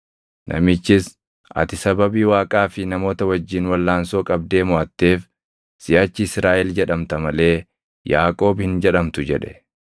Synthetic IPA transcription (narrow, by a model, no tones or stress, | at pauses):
nʔɐ̰mɪt͡ʃːɪs | ʔɐ̰t̪ɪsɐbɐbiːwaːkʼaːfɪnɐmo̞ːt̪ɐwɐd͡ʒːiːnwɐlːaːnso̞ːkʼɐb̚d̪e̞ːmʊʔɐt̪ːe̞ːf | sɪʔɐt͡ʃːɪɪsɾaːʔɛld͡ʒɛᶑɐmt̪ɐmɐle̞ː | jaːkʼo̞ːbhɪnd͡ʒɛᶑɐmt̪ʊd͡ʒɛᶑɛ̥